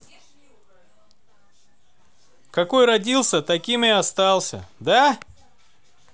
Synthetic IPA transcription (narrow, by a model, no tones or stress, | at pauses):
kɐko̞jrɐdʲilˠsʲət̪ɐkʲimɪɐst̪alˠsʲə̰d̪a